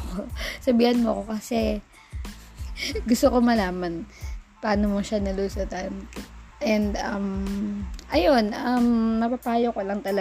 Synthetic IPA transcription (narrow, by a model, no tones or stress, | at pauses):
kosɐbiːhɐnmoɐko̞kɐsɛ | ɡʊst̪oko̞mɐlaːmɐnpɐaːnomoʃanɐlusot̪ɐnʔɛnd̪ɐm | ʔɐjo̞nʔɐmnɐpapaːjokolɐŋt̪ɐlɐ